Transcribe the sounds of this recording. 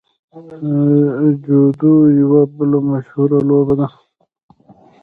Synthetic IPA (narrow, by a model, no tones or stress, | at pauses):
d͡ʒod̪ujiwabəlomaʃhuɾaloːbad̪a